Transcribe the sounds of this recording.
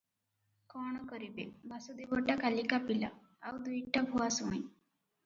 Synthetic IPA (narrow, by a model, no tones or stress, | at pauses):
kɔːɽ̃ɔkɔɾibebʱasud̪ibɔʈakalikapila̰ː | wd̪ujʈabʱuasũj̃